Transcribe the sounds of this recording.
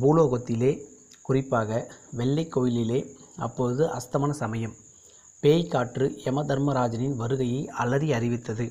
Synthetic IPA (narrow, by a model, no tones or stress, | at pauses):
buːloːɣɐt̪ːɪleːkʊrɪpːaːɣɐʋɛɭːɐɪkːoːjɪlɪleː | ɐ̰pːoːɯðɯʔɐst̪ɐmaːnɐsɐmɐjɐm | peːjkaːʈrɯɛmɐd̪ɐɾmɐɾaːd͡ʒɐnɪnʋɐɾɯɣɐjɐɪʔɐlːɐðiɐrɪʋɪt̪ːɐðɯ